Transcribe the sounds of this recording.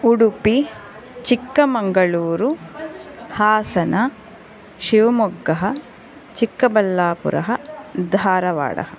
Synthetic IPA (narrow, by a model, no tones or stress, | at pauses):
uɽupi | t͡ʃikːɐmɐŋɡɐɭuːɾu | haːsɐnɐ | ʃiʋɐmuɡːɐɦɐ | t͡ʃikːɐbɐlːaːpṵɾɐ̰ɦɐd̪ʱaːɾɐʋa̰ːɽɐ̰ɦɐ